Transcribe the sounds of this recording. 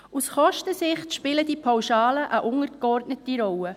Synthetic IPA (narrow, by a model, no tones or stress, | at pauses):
usχɔʃtəsɪχtʃpɪlədipʰawʃɑːləʔəʔʊŋəɾɡ̥ɔrdnətiɾɔwə